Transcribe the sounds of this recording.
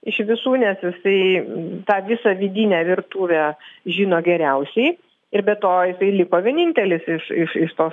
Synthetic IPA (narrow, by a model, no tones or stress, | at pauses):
ɪʃʋʲɪsuːnʲɛsjɪsɐɪt̪ɑːʋʲɪsɑʋʲɪd̪ʲiːnʲæːʋʲɪrt̪uːʋʲɛːʒʲiːnoːɡʲɛɾʲɛʊsʲɛɪ | ɪɾbʲɛtt̪oːjɪsɐɪlʲɪkoːʋʲiɛnʲiːnʲt̪ʲɛlʲɪsɪʃɪʃɪʃt̪oː